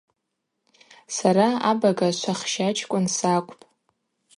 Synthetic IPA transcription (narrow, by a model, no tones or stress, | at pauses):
saɾaabaɡaʃʷaχʃat͡ʃʰkʷʼʊnsakʷʼpʼ